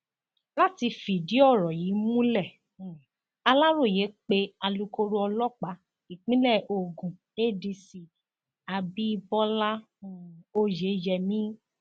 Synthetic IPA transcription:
la˦ti˧fi˨di˨˦ɔ˦˨ɾɔ˨ji˨˦mũ˦lɛ˦˨ | a˧la˦ɾo˦˨je˨˦k͡pe˧˦a˧lu˧ko˧ɾo˦ɔ˧lɔ˦˨k͡pa˨˦ | i˨k͡pĩ˨˦lɛ˦˨o˨ɡũ˨ | e˦˨di˧si˨ | a˧bi˦˧bɔ˦la˦ | o˧je˨˦d͡ʒɛ˧mĩ˦

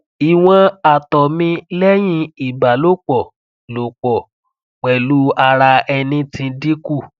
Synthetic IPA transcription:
i˨w̃ɔ̃˧a˨tɔ˨mĩ˧lɛ˦j̃ĩ˧i˨ba˨lo˦k͡pɔ˨ | lo˨k͡pɔ˨ | k͡pɛ˨lu˨˦a˧ɾa˧ɛ˧nĩ˧tĩ˧di˦ku˦˨

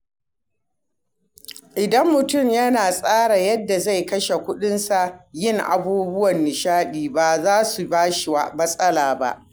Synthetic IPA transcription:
ʔɪ˨dɐ˦mːʊ˨tʊ˦˨mjɐ˦naː˨sʼaː˦ɽa˨jɐ˦dːa˨za˦jkɐ˦ʃe˨kʷʊ˦ɗɪ˦nsa˨ʔjɪ˦ŋʔa̰˨buː˦bʊ˦wɐ˨nːɪ˨ʃaː˦ɗiː˨ba˦˨zaː˦su˨baː˦ʃwa˦mɐ˦sʼɐ˦laː˨ba̰˦ʔ

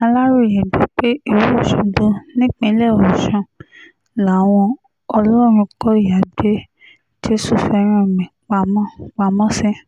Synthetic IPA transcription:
ã˧la˦ɾu˦˨ji˨bi˨˦k͡pe˦i˨wu˦o˦˨ʃu˨bo˧nĩ˦k͡pĩ˧˦lɛ˦˨ɔ˨ʃã˧ | la˨˦˨w̃ɔ̃˧ | ɔ˧lɔ˦˨ɾ̃ũ˧kɔ˦i˦˨ja˨be˦ | ti˦su˦˨fɛ˧ɾ̃ĩ˦o˨mĩ˨k͡pa˧mɔ̃˦k͡pa˧mɔ̃˦sɛ̃˦

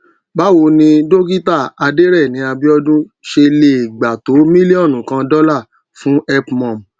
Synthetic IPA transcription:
ba˦wo˧˦nĩ˧do˦ɡi˦ta˦˨a˨˧de˦ɾɛ˦˨nĩ˨˦a˧bi˦ɔ˦dũ˦ | ʃe˧le˧i˨ɡ͡ba˨to˨˦mĩ˦li˦ɔ˦˨nũ˨kã˧dɔ˦la˦˨ | fũ˨˦ɛ˧pmɔ̃˨m˨

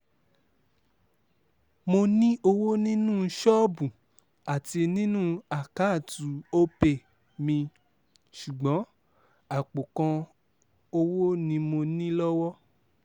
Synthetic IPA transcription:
mo˧nĩ˦o˧wo˦nĩ˦nũ˦ʃɔ˦bu˨ | a˨ti˧nĩ˦nũ˦a˨ka˨˦˨tu˨˦o˦pe˦˨ | mĩ˧ | ʃu˨ɡ͡bɔ̃˨˦ | a˦˨k͡po˨kã˧ | o˧wo˦nĩ˧mo˧nĩ˦lɔ˦wɔ˦

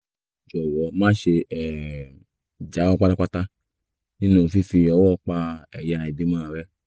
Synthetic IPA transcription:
d͡ʒɔ˨wɔ˨˦mãː˦ʃe˧ɛ˨ | d͡ʒa˨˦ɔ˦˧k͡pa˦da˧k͡pa˦ta˧ | nĩ˦nũ˦˧˨fi˦fi˧ɔ˧˦wɔ˦˨˦k͡pa˧ɛ˨ja˧i˨de˦mãː˦˨ɾɛ˦

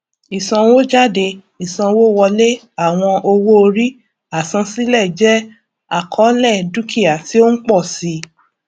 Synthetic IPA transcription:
i˨sã˧wo˦d͡ʒa˦˨de˧ | i˨sã˧wo˦wɔ˧le˦ | a˦˨w̃ɔ̃˧ʔo˧wo˦o˧ɾi˦ | a˦˨sã˧si˦lɛ˦˨d͡ʒɛ˦ | a˦˨kʰɔ˨˦lɛ˦˨du˦kʰi˦˨a˨ti˦o˦n̩˦k͡pɔ˦˨si˨˧˦

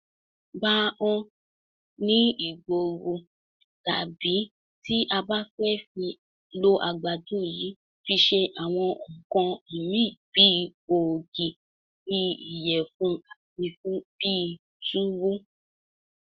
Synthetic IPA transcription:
ba˦ɔ̃˧ | nĩ˦i˨ɡ͡bo˨ɡu˧ | ta̰˨bi˨˦ | ti˦ʔa˧ba˦fɛ˦fi˧ | lo˦ʔa˧ɡ͡ba˨dũ˦˨ji˨˦ | fi˧ʃe˧ʔa˨w̃ɔ̃˧ɔ̃˨kɔ̃˧i˨mĩ˦˨b̥i˨˦˨ | o˨ɡi˨ | i˧i˨jɛ˨fũ˨˦a˨fi˧fũ˦b̥i˦˧ | tu˦wu˦

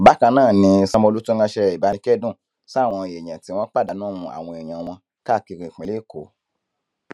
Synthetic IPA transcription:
ba˨˦kã˧nãː˦˨nĩ˧sã˧mõ˧lu˦tu˦ɡã˧ʃɛ˧i˨ba˨˦nĩ˧kɛ˦dũ˦˨ | sa˦˨w̃ɔ̃˧˨e˨j̃ã˨ti˨˦w̃ɔ̃˦k͡pa˦˨da˨˦nũ˦mũ˧˦a̰˨w̃ɔ̃˧e˨j̃ã˨w̃ɔ̃˧ | ka˦˨ki˧ɾĩ˨k͡pĩ˨leː˦˨ko˨˦

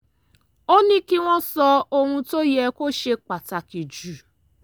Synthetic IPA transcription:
o˦nĩ˦kɪ˦ŋ̃ʷɔ̃˦sɔ˦o˦ŋʷũ˦to˦je˦ko˦ʃe˦k͡pa˨ta˨ki˨d͡ʒu˦˨

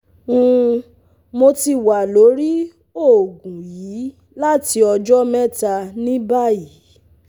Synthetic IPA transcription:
ũ˧ | mo˧ti˧wa˨lo˨˦ɾi˦ | o˦˨ɡũ˨ji˨˦ | la˦ti˧ɔ˧d͡ʒɔ˦mɛ˦ta˧nĩ˦ba˦˨ji˨˦

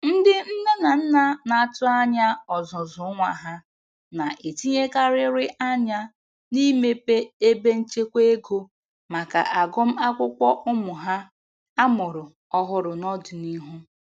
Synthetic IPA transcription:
n̩˦dɪ˦n̩˦na˦na˨n̩˦na˦na˨a˦˨tʊ˦a˦ɲa˦ɔ˨zʊ˨zʊ˨˦ŋʷa˨ɦa˦ | na˨ʔe˨ti˦ɲe˦ka˦ɾɪ˦ɾɪ˦ʔa˦ɲa˦ | ni˦me˦pe˦e˦be˦n̩˦t͡ʃe˦kʷe˦e˦ɡo˦ | ma˨ka̰˨ʔa˨ɡʊ˦m̩˦a˦kʷʊ˦kʷɔ˦ʔʊ˦mʊ˨ɦa˦ | a˦mʊ˨ɾʊ˨ | ɔ˦ɦʊ˦ɾʊ˨nɔ˦dʊ˨ni˦ɦu˦

